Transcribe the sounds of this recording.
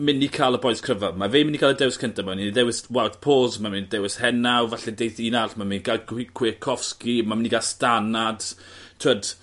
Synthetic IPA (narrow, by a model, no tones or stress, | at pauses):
mɪnikʰalˠəbɔɨskʰrəvamavemɪniɡalədɛwɪskʰəntʰamamɪninidɛwɪswɛwθpʰoːzmamindɛwɪshɛnawvaɬɛdejθiːnaɬmaminɡaɡikʰwɪːkʰɔfskimamɪniɡalˠstanad̥tʰwəd